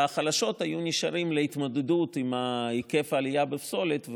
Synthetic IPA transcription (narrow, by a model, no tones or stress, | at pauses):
aχalaʃo̞t̪hajuniʃaʁimleit̪mod̪edut̪imaike̞faːlijabefso̞let̪v